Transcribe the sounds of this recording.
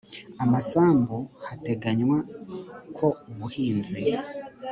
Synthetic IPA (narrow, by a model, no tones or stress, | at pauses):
amasaːmbohate̞ɡaɲwakʰo̞uβuhiːnze